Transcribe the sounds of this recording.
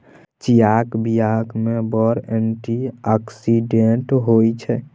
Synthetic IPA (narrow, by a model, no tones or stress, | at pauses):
t͡ʃijakbijakmebəɾenʈiaksiɖeɳʈɦojt͡ʃʰɛ